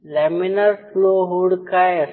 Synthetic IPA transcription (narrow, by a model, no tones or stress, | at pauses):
leminəɾfloːɦuɽka